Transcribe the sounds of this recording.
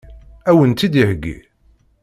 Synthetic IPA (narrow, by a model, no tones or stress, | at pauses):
æwənt̪id̪ihɡːḭ